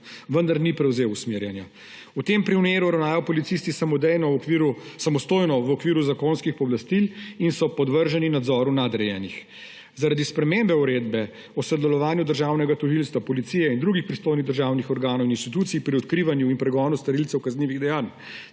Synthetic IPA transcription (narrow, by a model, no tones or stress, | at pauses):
ʋənd̪aɾnipɾɛwzeːwusmeɾjanja | ut̪empɾiwneːɾuɾawnaːjɔpɔlit̪sist̪isamɔd̪ɛjnɔʋiɾusamɔst̪oːjnɔʋɔkʋiːɾuzakonskixpɔblast̪ilinsɔpɔd̪ʋəɾʒaninad̪zɔːɾunad̪ɾɛjɛːnix | zaɾad̪ispɾɛmembɛuɾeːd̪bɛ | ɔsɔd̪ɛlɔʋaːnjud̪əɾʒaːwnɛɡat̪ɔʒilst̪ʋapɔlit̪siːjɛind̪ɾuːɡixpɾist̪oːjniɣd̪əɾʒaːwnixɔɾɡaːnɔwininst̪it̪uːt̪siipɾiɔt̪kɾiːʋanjuinpɾɛɡɔːnust̪ɐɾilt̪sɛwkazniːʋiɣd̪ɛjaːn